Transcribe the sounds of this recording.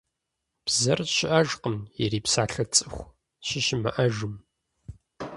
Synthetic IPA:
b̥zɐrɕɪʔɐʒqəmjɛɾiːpsaːɬɐt͡sʼɨxʷ | ɕɪʃɪmɐ̰ʔɐʒɨm

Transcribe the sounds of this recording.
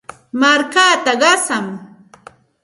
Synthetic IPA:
maɾkaːt̪aɢɑsam

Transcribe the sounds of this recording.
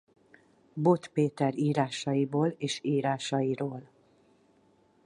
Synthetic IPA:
bo̞t̪peːt̪ɛɾiːɾaːʃɒjiboːleːʃiːɾaːʃɒjiɾoːl

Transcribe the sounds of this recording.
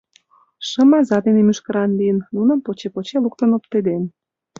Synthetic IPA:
ʃə̆mɑzɑd̪enemyʃkə̆ɾɑnliənːunə̆mpot͡ɕepot͡ɕeluk̚t̪ənop̚t̪ed̪en

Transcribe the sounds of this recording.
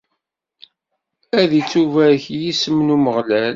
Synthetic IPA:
æðit͡sːuvæɾçjisəmnuməʁlæl

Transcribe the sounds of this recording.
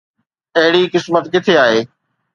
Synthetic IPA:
ɐɦɪɽikɪsmət̪kɪt̪ʰeaːɦeː

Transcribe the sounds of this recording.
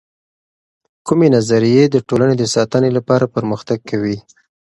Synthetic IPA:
kumenazaɾijed̪əʈolaned̪əsɑt̪ənelapɑɾapəɾməxt̪aɡ̚kʰːawi

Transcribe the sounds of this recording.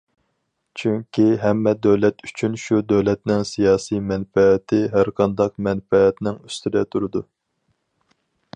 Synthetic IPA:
t͡ʃʰyŋkʲʰiɦɛmːɛd̪øwlɛt̪y̥t͡ʃʰynʃud̪øwlɛt̪nɪŋsijɑːsijmɛnfɛːt̪ʰɪɦæɾqʰɑnd̪ɑqmɛnfɛːt̪nɪŋyst̪ɪd̪ɛt̪ʰuɾɨd̪u

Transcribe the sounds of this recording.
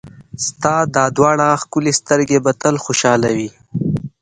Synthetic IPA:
st̪ɑːd̪ɑːd̪wɑːɳaxkulest̪əɾɡebɐt̪əlxoʃɑːlawi

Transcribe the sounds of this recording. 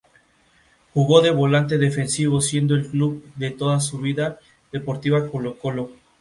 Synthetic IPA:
xuɣo̞ðe̞βo̞lant̪̬e̞ðefensiβ̞o̞sje̞nd̪oelkluβðe̞t̪oðasuβiða | ðepo̞ɾt̪iβako̞lokolo

